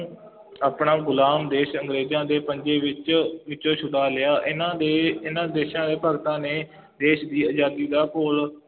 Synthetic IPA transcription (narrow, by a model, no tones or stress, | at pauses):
aːpɳaːɡʊlaːmd̪eːʃəŋɡɾeːd͡ʒãːd̪eːpəɲd͡ʒeːʋɪt͡ʃʋɪt͡ʃõːt͡ʃʰʊɽaːlɪaːʔɪnãːd̪eːɪnãːd̪eːʃãːd̪eːpəɡt̪ãːneː | d̪eːʃd̪iːəd͡ʒaːd̪iːd̪aːkoːl